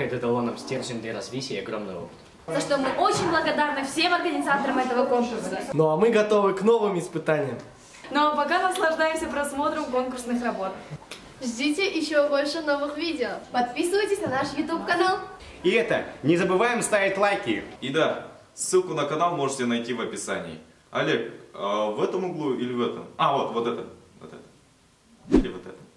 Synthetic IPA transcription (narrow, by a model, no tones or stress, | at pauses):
ɪt̪ɛt̪əlˠonəfsʲtʲerʐɪnd̪lʲɐɾɐzvʲisʲɪjɐɡɾomnɨ̰jo̞̰pɨ̥t̪ | t̪oʂt̪omɨʔo̞t͡ɕɪnʲblˠəɡɐd̪arnɨfsʲe̞mɐrɡənʲɪzat̪əɾəmɛt̪əvəko̞nkʊrsənoɐmɨɡɐt̪o̞vɨkno̞vɨmɪspɨt̪anʲɪjəm | nopɐkanəslˠɐʐd̪ajɪmsʲəpɾɐsmo̞t̪ɾəmko̞nkʊrsnɨxrɐbo̞t̪ | ʐdʲitʲɪʔɪɕːobo̞lʲʂɨno̞vɨxvʲidʲɪoːpɐt̪̚pʲisɨvəjtʲɪsʲnɐnaʂjʊt̪ʲupkɐnalˠ | iɛt̪ənʲɪzəbɨvajɪmst̪avʲɪt̪ʲlˠajkʲɪ̰id̪a | sːɨlˠkʊnəkɐnalˠmo̞ʐɨtʲɪnɐjtʲivɐpʲɪsa̰nʲɪ̰ː | ɐ̰lʲekəvɛt̪əmʊɡlˠuilʲɪvɛt̪ə̰mavo̞t̪vo̞t̪ɛt̪əvo̰t̪ɛ̰t̪ə̥ | ilʲɪvot̪ɛt̪ə